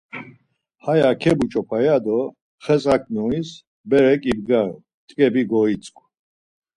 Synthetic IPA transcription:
hajakʰɛbut͡ʃʼɔpʰajad̪ɔ | χɛt͡sʼakʰnɔis | bɛɾɛkʼibɡaɾɔ | t̪ʼkʼɛbiɡɔit͡sʼkʰʼ

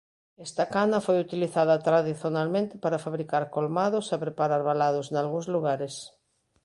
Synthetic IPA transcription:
ɛst̪ɐkanɐfojut̪iliθaðɐt̪ɾaðiθjonalmẽnt̪ɪ̥paɾafaβɾikaɾkolmaðʊsapɾepaɾaɾβalaðʊsnalɣũzluɣaɾes

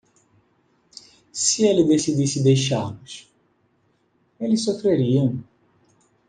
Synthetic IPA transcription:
sɪelɪd̪esid̪isɪd̪ejʃaɾmʊʃ | elɪssofɾeɾiɐ̃w̃

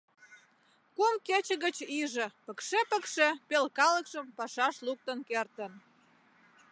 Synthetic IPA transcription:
kumket͡ɕə̆ɣət͡ɕiʒə̆pə̆kʃepəkʃepelkɑləkʃəmpɑʃɑʃluk̚t̪ənkert̪ən

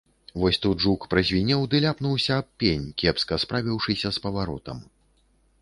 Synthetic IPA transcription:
vɔsʲt̪ud̪ʐukpɾɐzʲvʲinʲɛwd̪ɨlʲapnuwsʲɐːp̚ʲpʲːenʲkʲɛpskɐspɾavʲiwʂɨsʲɐspɐvaɾɔ̰t̪ɐ̰m

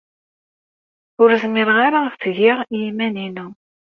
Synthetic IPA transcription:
ʊɾzmɪɾʁaɾaəfθəʝɪʁiimæninu

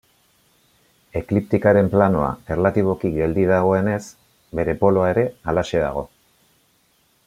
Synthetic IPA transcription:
e̞klipt̪ikaɾe̞mplano̞a̰eɾlat̪iβ̞o̞kikɡe̞ld̪iðaɣ̞o̞e̞ne̞s | be̞ɾe̞po̞lo̞ae̞ɾe̞alase̞ða̰ɣ̞o̞

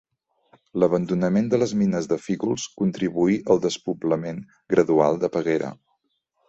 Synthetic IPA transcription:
ləβənd̪unəmend̪ələzminəzðəfiɣulˠskunt̪ɾiβuiʔəlˠd̪əspubləmeŋ | ɡɾəðualˠd̪əpəɣeɾə̰

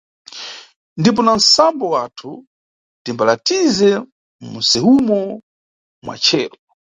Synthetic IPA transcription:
ndip̬ɔnan̩sambɔwatʰu | d̥imbalatizɛ | musɛhumɔ | mwa̰t͡ʃʰɛːlɔ

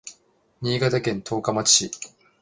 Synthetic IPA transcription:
ɲiːɡat̪akẽ̞nt̪ʰo̞ːkamat͡ɕi̥ɕi

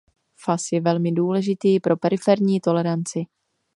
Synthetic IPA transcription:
fasjɛvɛlmɪduːlɛʒɪt̪iːpɾʔo̞pɛɾɪfɛɾɲiːt̪o̞lɛɾant͡sɪ

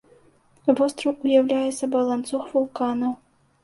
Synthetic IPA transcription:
vɔst̪ɾɐwujawlʲajɛt̪sːɐbɐlˠant̪suxvulˠkanɐw

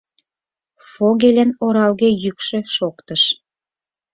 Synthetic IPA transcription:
foɣelʲĕnoɾɑlɣejykʃø̆ʃokt̪ə̆ʃ

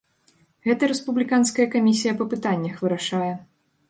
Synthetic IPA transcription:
ɣɛt̪ɐɾɛspublʲikanskɐjɐkamʲisʲijɐpɐpɨt̪anʲːɐxvɨɾaʂajɛ

